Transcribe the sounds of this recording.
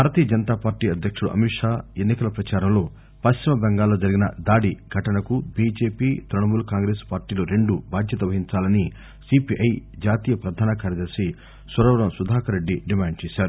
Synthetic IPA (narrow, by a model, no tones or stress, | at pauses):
bʱaːɾɐt̪iːjɐd͡ʒɐnt̪aːpaːɾʈːiːɐd̪ʱjɐkʂuɽṵʔɐ̰miʈʂaːenːikɐlɐpɾɐt͡ʃaːɾɐmlo̞ː | pɐst͡ʃimɐbɛŋɡaːlːoːd͡ʒɐɾiɡinɐd̪aːɽiɡʱɐʈɐnɐkubid͡ʒe̞ːpiːt̪ɾɐɳɐmuːlkaːŋɡɾe̞ːspaːɾʈiːluɾe̞ɳɖubʱaːd̪ʱjɐt̪ɐʋɐɦiɲt͡ʃaːlɐni | sipiʔɐjd͡ʒaːt̪iːjɐpɾɐd̪ʱaːnɐkaːɾjɐd̪ɐɾsi | sʋɐɾɔːʋɐɾɐmsud̪ʱaːkɐɾe̞ɖːiɖimaːɳɖ̚t͡ʃeːsaːɾu